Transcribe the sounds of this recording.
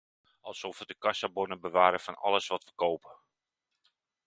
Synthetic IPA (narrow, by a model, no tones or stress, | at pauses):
ʔɑlˠsɔfʋədəkasabonəbəʋaːɾəfɔnɔ̰ləsʋɔtʋəkoːpə